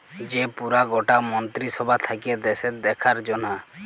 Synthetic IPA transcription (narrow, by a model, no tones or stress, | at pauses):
d͡ʒepuɾaɡɔʈamɔnt̪ɾisɔbʱat̪ʰakied̪esetd̪ɛkʰaɾd͡ʒɔna